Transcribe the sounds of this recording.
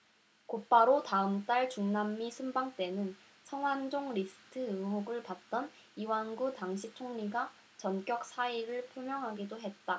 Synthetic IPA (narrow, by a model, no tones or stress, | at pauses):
kop͈aɾotaɯmt͈aɭt͡ɕuŋnamːisʰumbaŋt͈e̞nɯn | sʰʌŋwand͡ʑoŋɾisʰɯ̥tʰɯɯɦuɡɯɭpat̚t͈ʌn | iwanɡutaŋɕʰitʰoŋɲiɡa | t͡ɕʌnk͈jʌk̚s͈ʰaiɾɯɭpʰjomjʌŋɦaɡidoɦe̞t̚t͈a